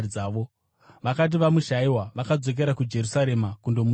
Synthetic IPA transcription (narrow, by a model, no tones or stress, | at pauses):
aːʋo̞ | ʋakat̬iʋamuʃaiwaʋakad͡zo̞k̬e̞ɾakud͡ʒe̞ɾusaɾe̞makundo̞mu